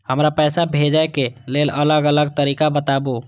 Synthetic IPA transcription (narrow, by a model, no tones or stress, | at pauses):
həmɾapɛsabʱed͡ʒaekelelələɡələɡt̪əɾikabət̪abu